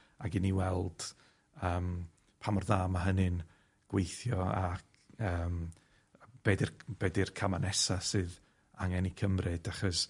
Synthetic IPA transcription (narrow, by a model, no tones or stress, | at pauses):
aɡɪniwɛlˠd̥ | əːm | pʰamɔrðaːmaɦənɨn | ɡ̥wejθjɔak | əːm | b̥eːdɪrb̥ɛːdɨrkʰamanɛsasɨːð | aŋɛnikʰəmrɨd̥aχɔs